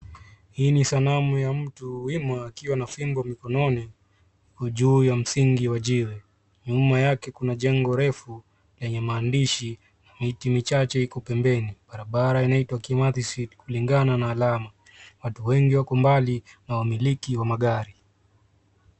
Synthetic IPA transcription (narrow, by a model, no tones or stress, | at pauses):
hiːnisanamujam̩tuwimaːkiwanafimbɔamikɔnɔni | kɔʄuːjam̩siŋɡiwaʄiwɛ | ɲumajakɛkunaʄɛŋɡɔɾɛfu | lɛɲɛmaːndiʃi | namitimit͡ʃat͡ʃɛhikɔpɛmbɛniɓaɾaɓaɾainaitwakimatisitkuliŋɡananaːlama | watuwɛŋɡiwakɔmbalinawamilikiwamaɠaɾi